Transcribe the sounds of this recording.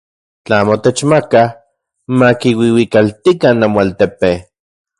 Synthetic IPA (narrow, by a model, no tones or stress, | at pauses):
t͡ɬamot̪et͡ʃmaka | makiwiwikalt̪ikanːamoalt̪epe